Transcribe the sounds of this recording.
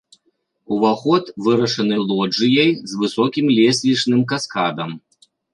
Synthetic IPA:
uvaxɔt̪vɨɾɐʂɐnɨlˠɔd͡ʐɨjɐjzvɨsɔkʲimlʲɛsʲlʲit͡ʂnɨmkaskad̪ɐm

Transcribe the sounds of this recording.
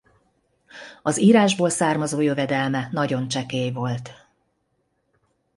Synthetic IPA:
ɒziːɾaːʒboːlsaːrmɒzoːjøvɛd̪ɛlmɛnɒɟo̞nt͡ʃɛkeːjvo̞lt̪

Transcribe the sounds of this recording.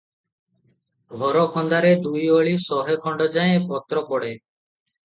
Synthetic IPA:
bʱɔɾɔkʰɔnd̪aɾed̪ujoɭisɔɦekʰɔɳɖɔd͡ʒaẽpɔt̪ɾɔpɔɽe

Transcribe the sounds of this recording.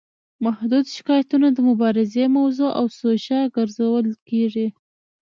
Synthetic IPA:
mahd̪ud̪ʃɪ̥kɑjat̪unad̪əmʊbɑɾɪzemawzoʔawsoʃaɡəɾzawəlkeʐi

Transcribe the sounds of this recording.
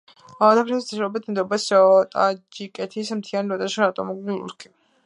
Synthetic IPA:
ad̪apʰɾɛst̪ʰiʃɾɔbit̪ʰmd̪ɔbast̪ʼad͡ʒikʼɛt̪ʰismt̪ʰianɾɔt̪ʼaʃɔɾat̪ʼɔmɔɡilṵɾkʰi

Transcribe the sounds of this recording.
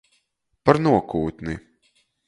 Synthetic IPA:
paɾnuɔkuːt̪ni

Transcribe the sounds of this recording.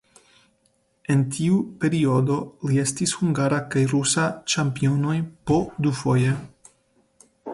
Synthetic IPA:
e̞ntʰiupe̞ɾio̞d̪o̞lie̞stishuŋɡaɾakajɾusat͡ʃampio̞no̞jpo̞d̪ufo̞je

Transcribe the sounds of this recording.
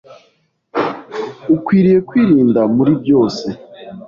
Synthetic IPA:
ukwiːɾije̞kwiːɾiːndamuɾibjo̞ːse̞

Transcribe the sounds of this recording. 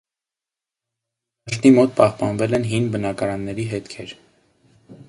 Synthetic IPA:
d̪̥ɑʃt̪imɔt̪̚pɑhpɑnvɛlɛnɦinbənɑkɑɾɑnːɛɾiɦɛt̪kʰɛɾ

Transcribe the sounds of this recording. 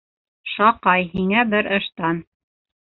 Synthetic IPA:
ʃɑqɑjɦiŋæbɘɾɤ̆ʃt̪ɑn

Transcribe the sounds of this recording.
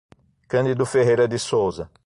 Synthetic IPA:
kɐ̃nd̪id̪ʊfeɦejɾɐd̪ɪsowzɐ

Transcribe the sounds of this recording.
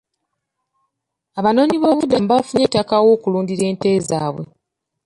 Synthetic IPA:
aβano̞ːɲiβo̞ːβudambafuɲetːakawo̞ːkuluːndiɾe̞ːnte̞ːzaːβwḛ

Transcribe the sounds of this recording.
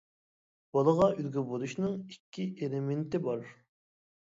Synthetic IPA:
b̥ɑlˠəʁɑylɡʲybolˠuʃnɨŋikʲʰːiʔelɪment̪ɪbɑɾ

